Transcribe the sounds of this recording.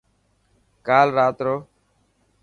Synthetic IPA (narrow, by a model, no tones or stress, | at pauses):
kaːlɾaːt̪ɾoː